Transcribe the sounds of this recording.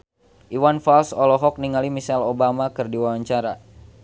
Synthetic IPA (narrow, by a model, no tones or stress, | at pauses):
ʔiwanfalsɔlɔɦɔk̚niŋalimisɛlobamakɨrdiwawaɲt͡ʃaɾa